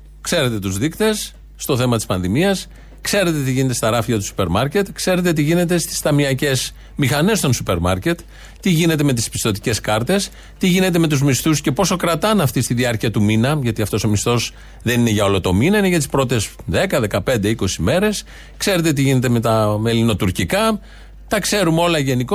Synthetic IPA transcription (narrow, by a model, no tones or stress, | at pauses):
kse̞ɾe̞t̪e̞t̪uzðikt̪e̞sː | t̪o̞θe̞mɐt̪i̥spɐnðimiɐs | kse̞ɾe̞t̪e̞t̪iʝinet̪est̪ɐɾɐfiʝɐt̪u̥su̥pe̞ɾmɐɾce̞t̪kse̞ɾe̞t̪̬e̞t̪̬iʝine̞t̪e̞st̪i̥st̪ɐmiɐce̞z | mixɐne̞st̪o̞nsupe̞ɾmɐɾce̞t̪ | t̪iʝine̞t̪̬e̞me̞t̪̬i̥spi̥st̪o̞t̪i̥ce̞skɐɾt̪e̞s | t̪iʝine̞t̪̬e̞me̞t̪uzmist̪usce̞po̞so̞kɾɐt̪ɐnɐft̪ist̪iðiɐɾciɐt̪uminɐʝɐt̪iɐft̪o̞so̞mist̪o̞s | ðe̞nine̞ʝɐo̞lo̞t̪o̞minɐineʝɐt̪ispɾo̞t̪e̞sðe̞kɐðe̞kɐpe̞nd̪e̞iko̞sime̞ɾe̞s | kse̞ɾe̞t̪e̞t̪iʝine̞t̪e̞me̞t̪ɐmelino̞t̪uɾcikɐ | t̪ɐkse̞ɾumo̞lɐʝe̞niko